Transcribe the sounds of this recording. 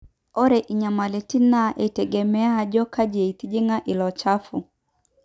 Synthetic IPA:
ɔ˦ɾɛ˨ʔi˨ɲa˨ma˨lɛ˨ti˦na˦ʔe˨tɛ˨ɡɛ˨mɛ˦a˦d͡ʒɔ˦ka˦d͡ʒe˨i˨t̪i˦d͡ʒi˦ŋa˦ʔi˨lɔ˨t͡ʃa˦fṵ˨

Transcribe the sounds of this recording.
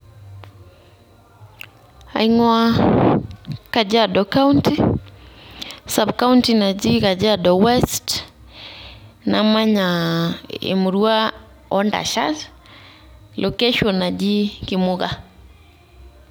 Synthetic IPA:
a̰˨iŋwa | ka˨d͡ʒa˦dɔka˦unti˦ | sa˨bka˦u˦ntina˨d͡ʒi˦ka˨d͡ʒadɔ˨wɛst | na˨ma˦ɲa | ḛ˨mu˨ɾwa˦ | ɔ˦nda̰˨ʃa˦s | lʔo˨kɛ˦ʃɔ˨na˨d͡ʒi˦ki˨moɣa

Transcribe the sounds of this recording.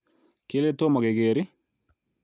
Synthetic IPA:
kele˦t̪o˦mɔ˨ɡe˨ɡeːɾi˦

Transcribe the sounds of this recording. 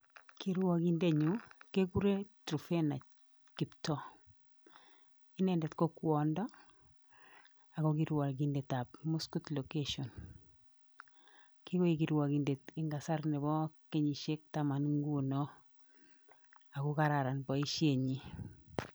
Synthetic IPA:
ki˦ɾwɔ˦ki˦nde˦ɲu˨ke˦ɡu˦ɾe˦tɾu˨fe˦na˨ | kɪ˨ptɔ˦ | ɪ˦nɛ˨ndɛ˨tkɔ˦kwɔ˨ndɔ˦ | a˨kɔ˦ki˦ɾwa˨lɡi˨nde˨ta˨pmu˦sku˦tlo˨ke˦ʃɔ˨n | ki˦ko˦i˨ki˨ɾwa˨ki˨nde˨ti˨ŋɡa˨sa˦ɾnɛ˨bɔ˦ke˦ɲi˨ʃe˦k̚ta˦ma˨nŋɡu˦nɔ˦ | a˨kɔ˦ka˦ɾa˨ɾa˨nbɔ˨i˦ʃje˨ɲi˨

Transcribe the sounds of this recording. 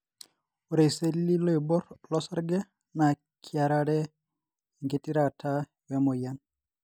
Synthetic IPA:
u˨ɾe˨se˦lːi˦lo˦i˨bɔ˦ɾlɔ˦sa˦ɾɡɛ˦ | na˨ | kʰi˨a˨ɾa˦ɾɛ˦ | ŋɡe˨tʼi˦ɾa˨tʰa˦ | wɛ˦mo˨jan

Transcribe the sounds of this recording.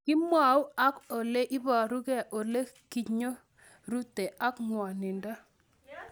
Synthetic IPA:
kɪ˦mwa˨u˦a˦ko˨le˦ʔɪ˦ba˨ɾu˦kɛ˦ʔo˨le˦ki˦˨ɲo˦ | ɾu˦te˨a˦kŋwɔ˨nɪ˨nda˦

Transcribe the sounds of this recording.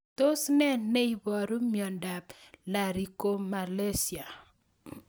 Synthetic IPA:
to˦snɛ˦nnɛ˦i˨bɔ˨ɾu˦mjɔ˨nda˨pla˨ɾi˨ko˦ma˨le˦si˨a˨

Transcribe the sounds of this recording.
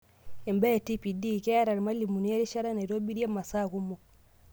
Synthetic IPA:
e˨mba˦e˨ti˦pi˨di˦˨ke˦ja˦ɾa˨ɾma˦li˨mu˨ni˦a˦ɾi˦ʃa˦ɾa˦na˨jɾo˦bi˦ɾi˦a˦mːa˨sa˦˨ku˦mo˨

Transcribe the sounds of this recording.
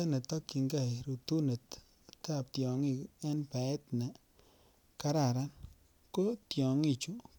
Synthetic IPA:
a˦ne˨t̪ɔ˦ki˨ŋɡa˦˨ɾu˨t̪u˦ne˨t | ta˦˨p̚tjɔ˨ŋi˦ɛ˦npa˨ɛ˦t̪na˨ | ka˦ɾa˨ɾa˦n | ko˦tjɔ˨ŋi˨t͡ʃu˦

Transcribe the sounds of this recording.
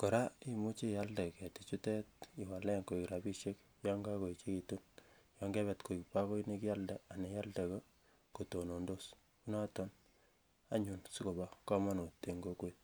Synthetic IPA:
ko˨ɾa˦i˦mu˦t͡ʃi˦ja˦lde˨kɛ˨ti˨t͡ʃu˦tɛ˦t̚i˨wa˨lɛ˦ŋko˨ikɾa˨bi˦ʃe˦k | jɔ˦ŋɡa˦ko˨i˨t͡ʃe˦ki˨tu˦njɔ˦ŋɡɛ˦βɛ˨tko˨i˨kpa˦ko˦i˦ne˦ki˦ja˦lde˨a˨ne˨ja˦lde˨ko˦ | ko˨to˨no˨ndo˦s | u˦na˦tɔ˦n | a˦ɲu˨nsi˦ko˨ba˦kɔ˦ma˦no˨tːe˨ŋɡo˦kwet

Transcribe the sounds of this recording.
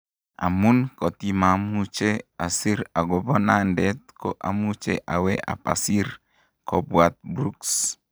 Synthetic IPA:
a̰˨mu˦nkɔ˨t̪ima˨mu˦t͡ʃe˦a˨si˦ɾa˨ɡɔbɔ˦nandɛt̪̚kɔ˨ʔa˨mu˦t͡ʃeʔa˨we˦ʔa̰˨pa̰˨si˦r | kɔbwat̪̚bɾuks

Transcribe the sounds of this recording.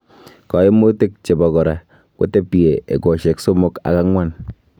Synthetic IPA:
kɔ˨je˦mo˦te˦k̚t͡ʃe˨bɔ˨kɔ˨ɾa˨ | ko̰˦te˦pi˨e˨ḛ˨ko˨ʃe˨kso˦mo˦ka̰˨ka˦ŋwa˦n

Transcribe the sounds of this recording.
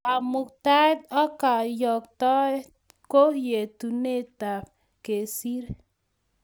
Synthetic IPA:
a˨mu˨k̚t̪a˦t̪ɔ˦ka˨jɔ˨k̚t̪ɔ˦ | ko˦hje˨t̪u˨ne˦t̪a˨ | ke˨si˦ɾ

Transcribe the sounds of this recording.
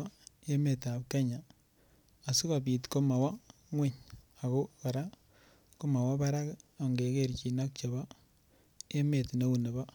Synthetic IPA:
je˦me˨ta˨p̚ke˦ɲa˨ | a˨su˦ka˨bi˨tko˦ma˨wa˦ | ŋwe˦ɲa˨ko˦ka˨ɾa˦ | ko˦ma˨wa˦ba˦ɾa˦ka˨ŋɡe˨keɾt͡ʃi˨na˦k̚t͡ʃa˨ba˦ | je˦me˨tne˦u˨ne˨ba˦

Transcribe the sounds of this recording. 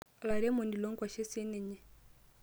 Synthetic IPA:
la˨ɾɛ˦mɔ˨ndi˨lɔ˦ŋ˦kwa˨ʃɛ˦sɛ˦nɛ˨ɲɛ˨

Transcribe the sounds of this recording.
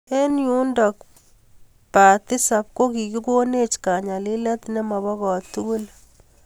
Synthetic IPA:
e˦nju˦ndɔ˨k | pa˨t̪i˦sa˨p̚ko˦ki˨ki˦ko˦ne˦t͡ʃka˨ɲa˨li˦lɛ˦t̪ne˦ma˨bɔ˦kɔ˨tu˦ɡu˦l

